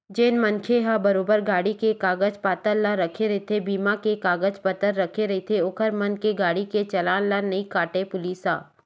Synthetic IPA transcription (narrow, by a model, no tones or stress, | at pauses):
d͡ʒeːnmɐnkʰeɦãbɐɾoːbəɾɡaːɽikekaːɡəd͡ʒpaːt̪əɾlːaɾɐkʰeɾɐɦet̪ʰebiːmakekaːɡəd͡ʒpət̪əɾːɐkʰeɾɐɦet̪ʰeʊkʰəɾmɐnkeɡaːɽiket͡ʃɐlaːnlanɐikaːʈepʊliːsaː